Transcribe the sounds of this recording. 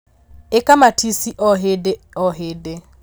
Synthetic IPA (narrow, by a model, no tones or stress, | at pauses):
ekamatʰisiʔɔɦede | ɔɦɪde